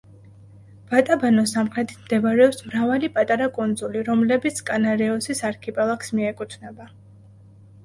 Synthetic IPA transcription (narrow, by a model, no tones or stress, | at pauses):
b̥at̪ʼabanɔsamqʰɾɛt̪ʰi̥t̪ʰmd̪ɛvaɾɛɔpsmɾavalipʼat̪ʼaɾakʼund̪zuliɾɔmlɛbit̪sʰkʼanaɾɛɔsisaɾkʰipʼɛlˠaksmiɛkʼut̪ʰnɛba